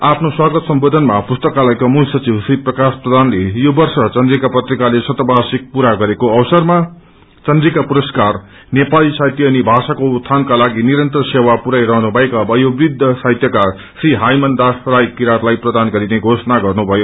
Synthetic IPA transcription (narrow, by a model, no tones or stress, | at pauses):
apʰnoswaɡʌt̪sʌmbod̪ʱʌnmapust̪ʌkalajkamulsʌt͡sibsriprʌkasprʌd̪ʱanlejobʌrsʌt͡sʌnd̪rikapʌt̪rikalesʌt̪ʌbʱasik̚puɾaɡʌɾekoʌwsʌrma | t͡sʌnd̪rikapuɾʌskar | nepalisajt̪jʌnibʱasakot̪ʰːankalaɡiniɾʌnt̪ʌrsewapuɾajɾʌɦnubʱʌekabʌjobrid̪ʱːʌsajt̪jʌka | sriɦajmʌnd̪asrajkiɾat̪lajprʌd̪anɡʌɾineɡʱosʌnaɡʌrnubʱʌjo